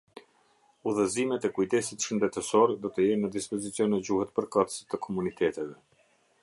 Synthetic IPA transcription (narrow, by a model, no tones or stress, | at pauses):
uðəzimɛt̪ɛkujt̪ɛsit̪ʃənd̪ɛt̪ɛsɔɾd̪ɔt̪əjɛnːəd̪ispɔzit͡sijɔnɛd͡ʑuhɛt̪pəɾkat̪ə̥sə̥t̪əkʰɔmunit̪ʰɛt̪ɛvɛ